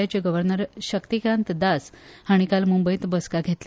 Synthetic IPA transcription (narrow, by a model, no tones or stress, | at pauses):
at͡ɕeɡəʋəɾnəɾɕəkt̪ikɾãnt̪d̪ashaɽ̃ikalmumbəjt̪bəskaɡʱet̪le